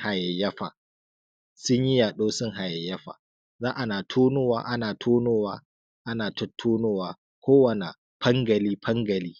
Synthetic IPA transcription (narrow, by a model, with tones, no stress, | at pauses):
ha˨jɐ˨jːɐ˦ɸa̰ː˨ | sʊ˦ɲji˦jaː˨ɗoː˦sʊ˦ŋɦa˨jɐ˨jːɐ˦ɸa̰ː˨ | zaː˦ʔa˨naː˨tʰuː˦noː˦waː˦ʔa˦naː˨tʰuː˦noː˦waː˦ | ʔa˦naː˨tʊ˦tʰːuː˦noː˦waː˦ | kʷoː˦wɐ˨na˨ | pɐ˦ŋɡɐ˨liː˦pʰɐ˦ŋɡɐ˨liː˦